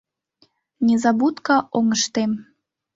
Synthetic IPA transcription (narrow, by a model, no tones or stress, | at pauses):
nʲezɑbut̪kɑʔoŋəʃt̪em